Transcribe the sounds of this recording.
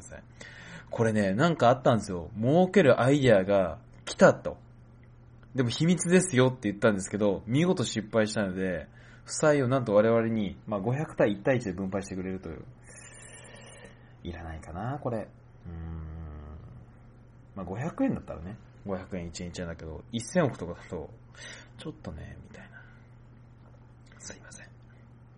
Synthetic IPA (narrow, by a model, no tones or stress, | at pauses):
s | kʰo̞ɾe̞ne̞nãŋkaːt̪ːãnd̪esɨjo̞mo̞ːke̞ɾɯ̟ʔaid̪eaɡa | kʲʰi̥t̪at̪o̞̰ | d̪e̞mo̞çimʲit͡sɨd̪e̞sɨjo̞t̪ːe̞jɯ̟t̪ːãnd̪e̞sɨ̥ke̞d̪o̞mʲiɡo̞t̪o̞ɕipːaiɕi̥t̪ano̞d̪e̞ | ɸɯ̟̥saio̞nãnt̪o̞β̞aɾe̞β̞aɾe̞ɲ̟imaːɡo̞çakɯ̟̥t̪aiit̪ːait͡ɕid̪e̞bɯ̟̃mpaiɕi̥t̪e̞kɯɾe̞ɾɯ̟t̪o̞jɯ̰ː | iɾanaikanako̞ɾe̞ | ɯ̟̃ | maːɡo̞çʲakɯ̟ẽ̞nd̪at̪ːa̰ɾa̰ne̞ | ɡo̞çakɯ̟ẽit͡ɕiẽit͡ɕiãnd̪aked̪o̞isːẽ̞ɰ̃okɯ̟t̪o̞kad̪at̪o̞̰ | t͡ɕo̞t̪ːo̞ne̞̰mʲit̪aina | sɨimasẽ̥ŋ